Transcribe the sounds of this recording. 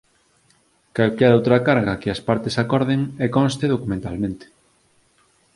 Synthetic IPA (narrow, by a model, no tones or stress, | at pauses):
kalkɛɾowt̪ɾɐkaɾɣakɪɐspaɾt̪esakɔɾðeŋɛkõnst̪eðokumẽnt̪almẽnt̪e̥